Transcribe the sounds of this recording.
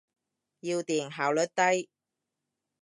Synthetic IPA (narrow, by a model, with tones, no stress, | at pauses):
jiː˧wt̪iː˨˩nɦaː˨˩wlɵ˨˥t̚t̪ɐ˥j